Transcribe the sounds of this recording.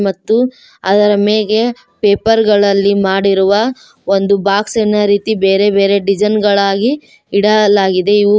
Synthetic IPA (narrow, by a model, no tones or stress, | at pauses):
mɐt̪ːu | ɐd̪ɐɾɐmeːɡe̞ | peːpɐɾɡɐɭɐlːimaːɽiɾuʋɐ | o̞nd̪ubaːksenɐɾiːt̪ibeːɾe̞be̞ːɾe̞ɖid͡ʒɐnɡɐɭaːɡiː | ɽɐlaːɡid̪e̞iʋu